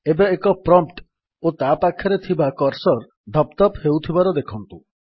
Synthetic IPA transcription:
ebeːkɔpɾɔmʈ | ot̪apakʰːjɔɾet̪ʰibakɔɾsɔɾ | d̪ʱɔpt̪ɔphewt̪ʰibaɾɔd̪ekʰɔnt̪u

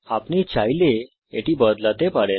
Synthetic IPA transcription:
apnit͡ɕajle | eʈibəd̪lat̪epaɽe

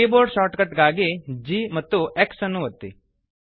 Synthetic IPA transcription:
iboːɾɖʃaːʈkɐʈɡaːɡid͡ʒiːmɐt̪ːueksɐnːuʋɐt̪ːḭ

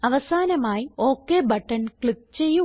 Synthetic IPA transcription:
ɐʋɐsaːnɐmaːjio̞ːkːe̞ːbɐʈːɐnkɭik̚t͡ɕe̞jːu

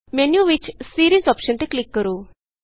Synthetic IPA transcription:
menjuʋit͡ɕsiɾizɔpɕənt̪eklikːəɾu

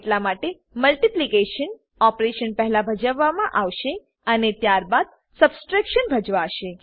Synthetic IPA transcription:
ʈlamaʈe | məlʈiplikeʃən | ɔpɾeʃənpɛɦlabʱəd͡ʒəʋːamãʔaʋʃe | ənet̪jaɾbad̪̚ | səbsʈɾakʃənbʱəd͡ʒʋaʃe

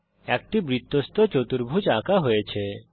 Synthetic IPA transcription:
ɛk̚ʈibɾit̪ːost̪ɔt͡ʃot̪uɾbʱud͡ʒakaɦojet͡ʃʰe

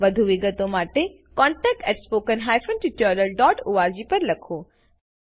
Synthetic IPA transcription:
ʋɐd̪ʱuʋɪɡət̪omaːʈe | kɔ̃ːɳʈɛːk̚ʈɛːʈspoːkənɦaːjfənd͡ʑit͡ɕəɾəlɖɔːʈuʋaːɾd͡ʑiːpɐɾlɐkʰoː

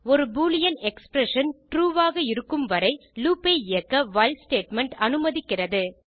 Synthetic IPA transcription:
ɔɾɯbuːlɪjɐnɛkspɾɛʂɐnʈɾuːʋaːɣɐɪɾɯkːɯmʋɐɾɐɪluːpeːɪjɐkːɐʋɐɪlsʈeːʈmɛɳʈɐnɯmɐðɪkːɪrɐðɯ

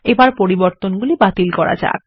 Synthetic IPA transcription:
ebaɾpoɾiboɾt̪onɡulibat̪ilkɔɾa̰d͡ʑa̰k

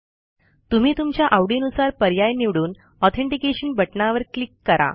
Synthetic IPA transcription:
t̪um̤iːt̪umt͡ɕjaʔaʋɖinusaɾpəɾjajniʋɽuːn | ɔt̪ʰeɳʈikeɕənbəʈnaʋəɾklikːəɾa̰

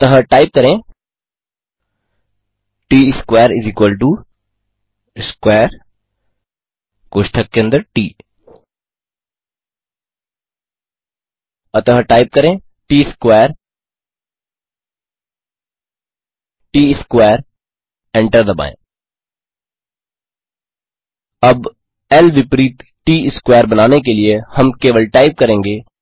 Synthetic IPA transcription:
t̪əɦəʈaɪp̚kɐɾẽ | ʈiːskwaːəɾiziːkwəlʈu | skweːɾ | koʃʈʰɐkːẽnd̪əʈiː | ɐt̪əɦəʈaːɪp̚kɐɾẽ | ʈiːskweːɾ | ʈiːɪskʋeːəɾ | ɛ̃ɳʈəɾd̪əbã̰ːḛ̃ | ɐb | ɛlʋɪpɾiːt̪ | ʈiːɪskweːəɾbɐnaːnek̬eliehɐmkeːʋəlʈaːɪp̚kɐɾẽːŋɡeː

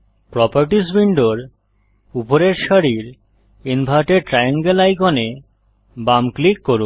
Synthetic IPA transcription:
pɾɔpaɾʈisbiɳɖoɾ | upoɾeɾʃaɾiɾ | inbʱaʈeɾʈɾajaŋɡelajkɔne | bamklikːoɾun

